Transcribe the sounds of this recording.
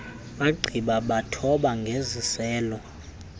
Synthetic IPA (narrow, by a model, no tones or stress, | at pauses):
ɓaɡ͡ǀʱiɓaɓatʰɔɓaŋɡʱezisɛːlɔ